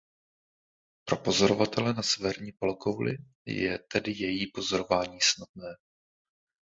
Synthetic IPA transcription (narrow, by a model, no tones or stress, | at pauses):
pɾo̞po̞zo̞ɾo̞vat̪ɛlɛnasɛvɛɾɲiːpolɡowlɪ̰ | jɛ̰t̪ɛdɪjɛjiːpo̞zo̞ɾo̞vaːɲiːsnad̪̚nɛː